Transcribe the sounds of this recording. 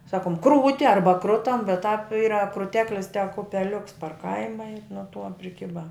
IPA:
ˈsɑːkoːm ˈkruːtʲɪ ˈɐrbɐ ˈkrʊtɐm bʲɛt tɑːp ˈiːrɐ krʊˈtʲæːklʲɪs tʲɛk ʊpʲɛˈlʲʊks pɐr ˈkɐɪmɐ ɪ nuɔ tuɔ pʲrʲɪˈkʲɪbɐ

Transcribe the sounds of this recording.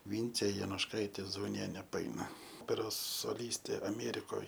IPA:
ˈʋʲiːnʲt͡sʲeː joːnʊʃˈkɐɪtʲeː zɐʊˈnʲiɛnʲeː pɐˈɐɪnɐ ˈoːpʲɛroːs soːˈlʲiːsʲtʲeː ɐˈmʲeːrʲɪkoːj

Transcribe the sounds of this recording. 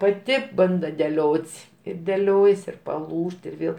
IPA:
pɐˈtʲɪ ˈbɐndɐ dʲɛˈlʲoːtʲsʲ ɪr dʲɛˈlʲoːjɛs ɪr pɐˈlˠuːʃt ɪr ˈʋʲeːlˠ

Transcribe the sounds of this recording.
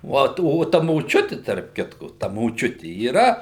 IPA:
ˈʋoːt oː ˈtɐ moːˈt͡ʃʲʊtʲɪ tɐrp ˈkʲɪtkʊ tɐ moːˈt͡ʃʲʊtʲɪ iːˈrɐ

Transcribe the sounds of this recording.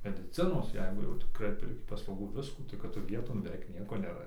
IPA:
mʲɛdʲɪˈt͡sʲɪnoːs ˈjɛɪɡʊ jɛʊ tʲɪˈkrɐɪ pʲɛrʲˈkʲɪ pɐslˠɐʊˈɡuː ˈʋʲɪskuː kɐt ˈtʊ ˈʋʲiɛtoːn bʲɛˈʋʲɛɪk ˈnʲiɛkoː nʲɛˈrɐ

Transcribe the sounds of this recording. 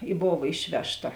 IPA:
ɪ ˈboːʋɐ ˈɪʃʲʋʲɛʃˌtɐ

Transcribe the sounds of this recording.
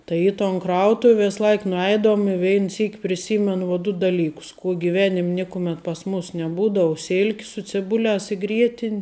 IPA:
ˈtɐɪ iː toːn ˈkrɐʊtʊw ˈʋʲeːs ˈlˠɐɪk nʊˈɛɪdɐʋʊm ɪ ˈʋʲɛɪn ˈsʲiːk pʲrʲɪˈsʲiːmʲɛnʊ ʋoː ˈdʊ dɐˈlʲiːkʊs ˈkuɔ ɡʲɪˈʋʲæːnʲɪmʲ ˈnʲɪkʊmʲɛt pɐs ˈmʊs nʲɛˈbuːdɐʋʊ ˈsʲɪlʲkʲɪ sʊ t͡sʲɪˈbʊlʲæːs ɪ ˈɡrʲiɛtʲɪnʲ

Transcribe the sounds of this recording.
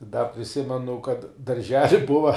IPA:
dɐ pʲrʲɪˈsʲɪmʲɛnʊ kɐt dɐrʲˈʒʲæːlʲɪ ˈbʊʋɐ

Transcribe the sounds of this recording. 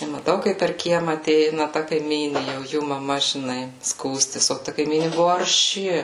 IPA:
ɪ mɐˈtɐʊ kɐɪp pʲɛr ˈkʲiɛmɐ ɐˈtʲɛɪnɐ tɐ kɐɪˈmʲiːnʲeː jɛʊ ˈjuː mɐˈmɐ ʒʲɪˈnɐɪ ˈskuːsʲtʲɪs oː ˈtɐ kɐɪˈmʲiːnʲɪ ˈbʊʋʊ ɐrʲˈʃʲɪ

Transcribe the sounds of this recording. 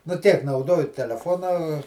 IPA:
nʊ ˈtʲiɛk nɐʊˈdoːjʊ tʲɛlʲɛˈfoːnɐ

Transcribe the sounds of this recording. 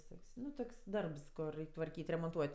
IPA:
ʋʲɪˈsoːkʲsʲ ˈnʊ ˈtʊkʲsʲ ˈdɐrps ˈkʊr ˈrʲɛɪkʲ tʋɐrʲˈkʲiːtʲ rʲɛmoːnˈtuɔtʲ

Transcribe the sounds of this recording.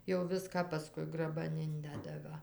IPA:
jɛʊ ˈʋʲɪskɑː pɐˈskʊɪ ɡrɐˈbɐn ˈɪnʲdʲɛdɐ ˈʋɐ

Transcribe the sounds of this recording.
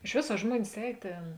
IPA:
ɪʃ ˈʋʲeːs ɐ ˈʒmuɔnʲɪs ˈɛːj ˈtʲeːn

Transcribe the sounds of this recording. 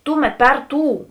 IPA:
ˈtʊˌmʲɛt ˈpʲɛr ˈtuː

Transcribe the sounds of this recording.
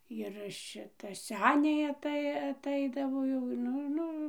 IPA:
jɪr ˈʃʲɪtɐ ˈsʲæːnʲɛɪ ɐˈtɐɪ ɐˈtɐɪdɐʋoː ˈjɛʊ ˈnʊ ˈnʊ

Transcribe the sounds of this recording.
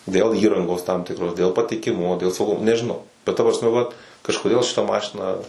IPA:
dʲeːlˠ ˈiːrɐŋɡoːs tɐm ˈtʲɪkroːs dʲeːlˠ pɐtʲɪkʲɪˈmʊmoː dʲeːlˠ sɐʊˈɡʊmoː nʲɛʒʲɪˈnɐʊ bʲɛt tɐ prɐsʲˈmʲɛ ʋɐt kɐʃkoːˈdʲeːlˠ ʃʲɪˈtɐ ˈmɑːʃʲɪnɐ

